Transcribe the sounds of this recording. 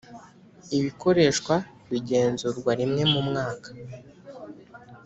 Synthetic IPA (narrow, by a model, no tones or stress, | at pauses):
iβiko̞ɾe̞ʃkwa | βiɟe̞ːnzuːɾɡwaɾimŋe̞mumŋaːkḁ